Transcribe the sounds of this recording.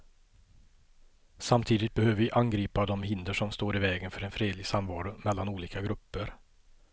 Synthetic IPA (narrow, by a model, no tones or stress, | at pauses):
samt̪ʰiːd̪ɪt̪̚bɛhøːvəɾvɪʔanɡɾiːpad̪ɔmhɪnd̪əʂɔmst̪oːɾɪvɛːɡənfœɾɛnfɾeːd̪lɪɡsamvɑːɾʊmɛlːanuːliːkaɡɾɵpːəɾ